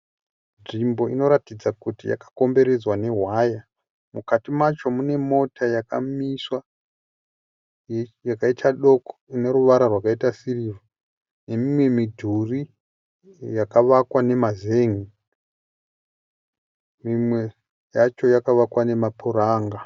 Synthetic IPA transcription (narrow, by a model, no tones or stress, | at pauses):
nʐimbo̞ino̞ɾatid͡zakutija̰kḁko̞mbe̞ɾe̞d͡zwane̞ɦwaja | mukatimat͡ʃo̞mune̞mo̞tʰajakamiswa | jakaitʰaɗo̞ko̥ine̞ɾuʋaɾarwakaitasiriʋo | ne̞mimwe̞midʱuri | jakaʋakwane̞maze̞ŋi | mimwe̞ | jat͡ʃo̞jakaʋakwane̞mapʰuɾaːŋɡa